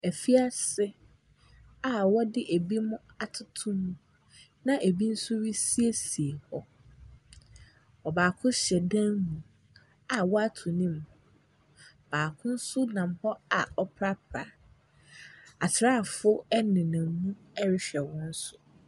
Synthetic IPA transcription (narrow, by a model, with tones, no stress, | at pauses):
ɛ˨fi˦a˦sɪ˦ | a˨wɔ˦dɪ˦ʔe˨bi˦mʊ̃˦ | a˨tʰʊ˨tʰʊ̃˦mːũ˨ | nã˦ʔe˨bi˦n̩˦sʊ˦ɥi˦si˦e˦si˨e˨hɔ˦ | ɔ˨baː˨kʰʊ̃˦ɕɛ˨dã˦nmũ˨ | a˨wɔ˦a˦tʰu˨nĩ˦m | b̥aː˨kʰʊ̃˦n̩˦sʊ˦nã˨m˨hɔ˦a˨ɔ˦pʰɾa˦pʰa˨ | a˨tʰɪ˨ɾaː˦˨fʊ˦ɛ˦nɪ̃˨nã˨mũ˦ | ɛ˦ɾɪ˦ɕᶣɛ˨wɔ̃˦n̩˦sʊ˨